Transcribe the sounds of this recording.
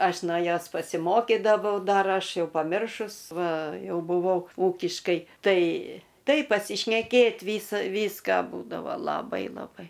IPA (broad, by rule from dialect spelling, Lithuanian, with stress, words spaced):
ˈɐʃ noː ˈjoːs pɐsʲɪˈmoːkʲɪdɐʋɐʊ ˈdɐr ˈɐʃ ˈjɛʊ pɐˈmʲɪrʃʊs ˈʋɐ ˈjɛʊ bʊˈʋɐʊ ˈuːkʲɪʃkɐɪ ˈtɐɪ ˈtɐɪ pɐsʲɪʃʲnʲɛˈkʲeːtʲ ˈʋʲiːsɐ ˈʋʲiːskɑː ˈbuːdɐʋoː lˠɐˈbɐɪ lˠɐˈbɐɪ